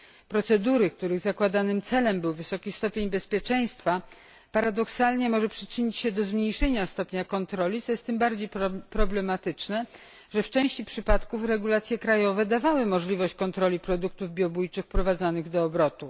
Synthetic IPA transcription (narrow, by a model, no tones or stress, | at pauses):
pɾɔt̪sɛd̪uɾɘkt̪uɾɘɣzakwad̪anɘmt̪sɛlɛmbɘwvɘsɔkʲist̪ɔpʲjeɲbɛspʲjɛt͡ʂɛj̃st̪fa | paɾad̪ɔksalɲɛmɔʐɛpʂɘt͡ʂɘɲit͡ɕɕɛd̪ɔzmɲejʂɛɲast̪ɔpɲakɔnt̪ɾɔlʲit̪sɔjɛst̪ːɘmbaɾd͡ʑejpɾɔblɛmat̪ɘt͡ʂnɛ | ʐɛft͡ʂɛ̃w̃ɕt͡ɕipʂɘpat̪kufɾɛɡulat̪sʲjɛkɾajɔvɛd̪avawɘmɔʐlʲivɔɕt͡ɕkɔnt̪ɾɔlʲipɾɔd̪uk̚t̪uvbʲjɔbujt͡ʂɘxpɾɔvad̪zanɘɣd̪ɔːbɾɔt̪u